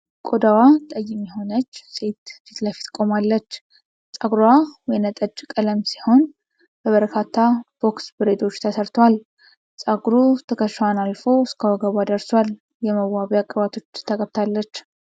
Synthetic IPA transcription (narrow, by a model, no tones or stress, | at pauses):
kʼod̪awat̪ʼəjɪmjɛɦo̞nət͡ʃːse̞t̪fit̪ləfi̥t̪kʼo̞malːət͡ʃː | sʼaɡɾwawjɛnət̪ʼəd͡ʒkʼələmsiho̞n | b̥əβəɾkʰat̪ʰːab̥o̞ksbɨɾed̪o̞t͡ʃːt̪ʰəsəɾt̪ʰwal | sʼaɡɾut̪ʰəkʰəʃwanalfo̞skʰəwaɡaβad̪əɾswal | jɛməwːaβjakʼːəβat̪ʰo̞t͡ʃːt̪ʰəkʼəβt̪ʰalːət͡ʃː